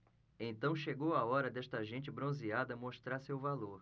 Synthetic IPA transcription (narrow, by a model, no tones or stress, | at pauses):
ẽnt̪ɐ̃w̃ʃeɡowaɔɾɐd̪ɛst̪ɐʒẽnt͡ʃɪbɾõziad̪ɐmoʃt̪ɾaɾsewvaloɾ